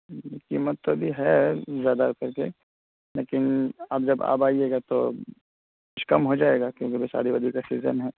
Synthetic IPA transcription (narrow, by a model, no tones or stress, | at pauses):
kiːmət̪ːobʱiɦɛzjaːd̪akɐɾke | leːkɪnɐb̚d͡ʒɐba̰ːbaːieːɡat̪o̰ | kʊt͡ʃkɐmɦod͡ʒaːeːɡakjõːkebʱesa̰ːɾibɐd̪ʱikasiːzə̰nɦɛː